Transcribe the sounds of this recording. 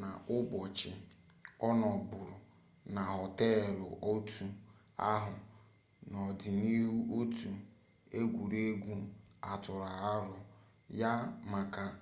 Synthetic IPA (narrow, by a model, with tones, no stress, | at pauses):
na˨ʊ˦bɔ˨t͡ʃɪ˨ | ɔ˦nɔ˨bʊ˨ɾʊ˨ | na˨ɦɔ˨te˦˨lʊ̰˨ʔo˦tu˨ | a̰˦ɦʊ˨ | nɔ˨dɪ˨ni˦ɦu˦ʔo˦tu˨ | e˦ɡʷu˨ɾe˦ɡʷu˦a˨tʊ˨ɾa˨a˦ɾʊ˨ | ja˦ma˨ka˨